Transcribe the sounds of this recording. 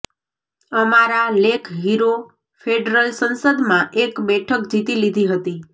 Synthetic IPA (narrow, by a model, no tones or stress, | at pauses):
əmaɾalekʰɦiɾo | feɖɾəlsənsəd̪mãʔekbɛʈʰəkd͡ʒit̪ilid̪ʱiɦət̪i